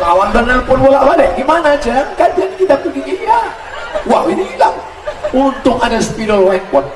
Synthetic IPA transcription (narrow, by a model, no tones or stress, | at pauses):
awanbənarpʊnwolaʔbadɛʔɡimanad͡ʒakadankit̪apudiija | waʔwinila | unt̪ʊk̚adasə̥piɾɔlwɛŋkɔt̪̚